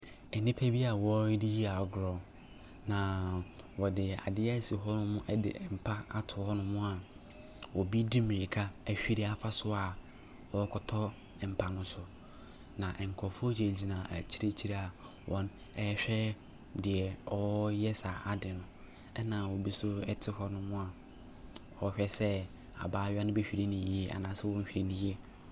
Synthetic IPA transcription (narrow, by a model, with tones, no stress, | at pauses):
ɛ˨nĩ˦pʰɛ˦bi˦a˨wɔ˦ɾdi˦ji˦a˨ɔ˨ɡɾɔ˨ | nã˨ | wɔ˨dɪ˨a̰˨dɪ˦ɛ˦si˨ɦɔ˦nʊ̃˦mʊ̃˦ʔɛ˦dɪ̰˨m̩˨pʰa˦a˦tʰʊ˨˦hɔ˦nʊ̃˦mʊ̃˦a˨ | wɔ˨bi˦di˦mɪ̃˨ɾi˨kʰa˦ɛ˨ɕᶣi˦ɾɪ˦a˨fa˦sʊ˦a˨ | wɔ˨˦kʰɔ˨tʰɔ˦ | ɛ˨m̩˨pʰa˨nʊ̃˦sʊ˨ | nã˨ʔɛ˨ŋ̩˨kʰɔ˨fʊ˦ɔ˦d͡ʑe˨d͡ʑi˨nã˨ʔt͡ɕʰi˦ɾe˦t͡ɕʰi˦ɾa˦a˨ | wʔɔ̃˦n | ɛ˨˦ɕᶣɛ˦ | dɪ˨ɛ˨ɔ˦jɛ˦sa˨a˨dɪ˨nʊ̃˨ | ɛ˦nã˨wɔ˨bi˦sʊ˦ɛ˦tʰɪ˦hɔ˦nʊ̃˦mʊ̃˦a˨ | ɔ˨ɕᶣɛ˦sɛ˦ | a̰˨baː˦ɥa˦nʊ̃˦bɛ˦ɕᶣi˨ɾi˦nĩ˨˦ɛ˦a̰˨nãː˨˦sɪ˦wɔ̃˦m̩˦ɕᶣi˨ɾe˨nĩ˦je˦